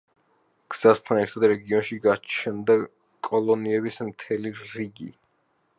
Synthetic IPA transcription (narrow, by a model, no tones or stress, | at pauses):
ɡ̥z̥ast̪ʰanɛɾt̪ʰad̪ɾɛɡiɔnʃiɡat͡ʃʰɛnd̪a | kʼɔlˠɔniɛbismt̪ʰɛliɾiɡḭ